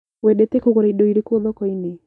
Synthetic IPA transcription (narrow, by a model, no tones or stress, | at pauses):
weɗetekoɣoɾaidoiɾekoðɔkɔine